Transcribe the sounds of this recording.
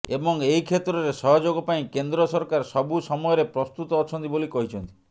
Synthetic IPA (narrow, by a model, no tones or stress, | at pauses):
ebɔŋejkʰet̪ɾɔɾesɔɦɔd͡ʒoɡɔpaĩkend̪ɾɔsɔɾkaɾsɔbusɔmɔjɔɾepɾɔst̪ut̪ɔːt͡ʃʰɔnt̪ibolikɔɦit͡ʃʰɔnt̪i̥